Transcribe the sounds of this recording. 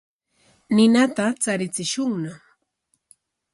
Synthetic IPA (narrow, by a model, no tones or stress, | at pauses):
nɪnat̪at͡saɾɪt͡sɪʃʊŋna